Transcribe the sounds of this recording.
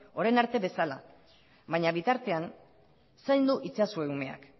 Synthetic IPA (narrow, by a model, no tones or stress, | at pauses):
o̞ɾenaɾt̪e̞βe̞sala | βaɲaβit̪aɾt̪e̞an | sajnd̪uʔit͡sasue̞ume̞a̰k